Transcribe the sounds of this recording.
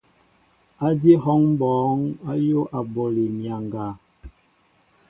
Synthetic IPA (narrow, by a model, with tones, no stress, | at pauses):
a˦di˦ɦɔ˦ŋm˦bɔː˨˦ŋa˦jo˦ʔa˨bo˨li˨mja˨ŋɡa˨